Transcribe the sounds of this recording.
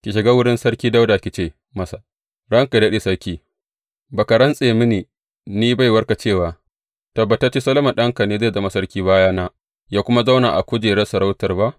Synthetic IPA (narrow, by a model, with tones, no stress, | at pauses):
kʲi˨ʃɪ˨ɡa˦wʊ˦ɽɪ˦nsɐ˦ɽkʲiː˦da˦wda˨kʲɪ˨t͡ʃeː˦ | mɐ˦sa˨ | ɽɐ˦ŋka˨dɐ˦ɗe˨sɐ˦ɽkʲiː˦ | ba˨ka˨ɽɐ˦nsʼeː˨mɪ˦niː˨ | niː˦ba˦jwɐ˦rka˨t͡ʃeː˦˨waː˨ | tɐ˨bːɐ˨ta˦t͡ʃe˦sɐ˦lɐ˦mɐ˨ɗɐ˦ŋka˨neː˦zeː˦˨zɐ˦ma˨sɐ˦rkʲiː˦baː˦jaː˦naː˦ | jaː˦kʷʊ˦ma˦za˦wnaː˨ʔa̰˨kʷoː˦d͡ʒeː˨ɽe˦sɐ˨ɾa˦wtɐ˨rba˦ʔ